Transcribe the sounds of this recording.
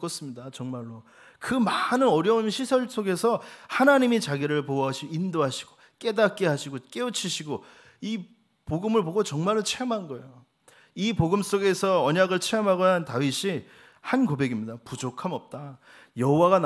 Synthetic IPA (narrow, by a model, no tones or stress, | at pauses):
k͈ʌs͈ɯmɲidat͡ɕʌŋmaɭːo | kɯmanɯnʌɾjʌunɕʰisʰʌɭs͈oɡe̞sʰʌhanaɲimit͡ɕaɡiɾɯɭpoʌɦaɕʰiindoɦaɕʰiɡ̥o | k͈e̞dak͈eɦaɕʰiɡok͈e̞ɯt͡ɕʰiɕʰiɡo | i | poɡɯmɯɭpoɡot͡ɕʌŋmaɭːot͡ɕʰeʌmɦanɡʌḛjo | ipoɡɯms͈oɡe̞sʰʌʌɲaɡɯɭt͡ɕʰeʌmɦaɡʌnantawiɕʰi | hankobe̞ɡimɲidapud͡ʑokʰamʌp̚t͈a | jʌɦowaɣan